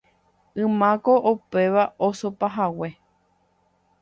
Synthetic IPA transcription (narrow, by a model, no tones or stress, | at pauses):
ɨ̃mãkoʔope̞ʋaʔosopaɦawe̞